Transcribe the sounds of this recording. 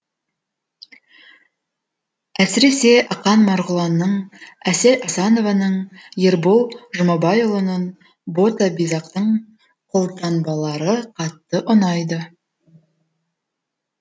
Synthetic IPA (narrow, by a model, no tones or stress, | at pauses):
æsɪɾe̞se̞ʔɑqɑnmɑɾʁʊlˠɑnːəɴæselʔɑsɑno̞vɑnəɴjeɾbolˠʒʊmɑbɑjolˠənɑn | bo̞t̪abijzɑqt̪əɴ | qʰolˠt̪ɑnbɑlˠɑɾəqʰɑt̪ːəʔʊnɑjd̪ə